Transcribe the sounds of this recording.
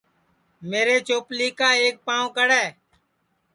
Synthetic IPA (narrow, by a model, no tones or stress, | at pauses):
meːɾeːt͡ʃoːpliːkaːeːk̚pãːõːkəɽɛː